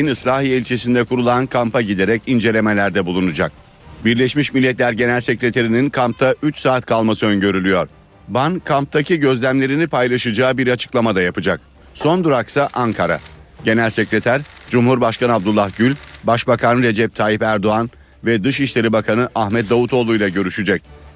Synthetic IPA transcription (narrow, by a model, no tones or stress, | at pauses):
inɯslʲˠaːɦielʲt͡ʃʰesind̪ɛkʰuɾulˠankʰampʰaɟid̪e̞ɾɛcind͡ʒe̞lʲe̞me̞lʲæɾd̪ɛbulˠunud͡ʒak̚ | biɾlʲeʃmiʃmilʲːɛt̪lʲæɾɟe̞nælʲse̞cɾe̞t̪ʰeɾininkʰamp̚t̪ʰaʔyt͡ʃsaːt̪kʰalˠmasɯønɟø̞ɾylʲyjoɾ̥ | bankʰamp̚t̪ʰaciɟø̞zlʲæmlʲe̞ɾinipʰajlˠaʃɯd͡ʒaːbiɾat͡ʃʰɯ̥klˠamad̪ajapɯd͡ʒak̚ | so̞nd̪uɾaksaʔaŋkʰaɾa̰ɟe̞nælʲsecɾe̞t̪ʰæɾd͡ʒumhuɾbaʃkanab̚d̪ulˠːahɟylʲbaʃbakʰanɯɾe̞d͡ʒɛp̚t̪ʰaːjipæɾd̪o̞an | vɛd̪ɯʃiʃlʲe̞ɾibakʰanɯʔahmɛt̪̚d̪avut̪ʰo̞ːlˠujlˠaɟø̞ɾyʃyd͡ʒɛc̚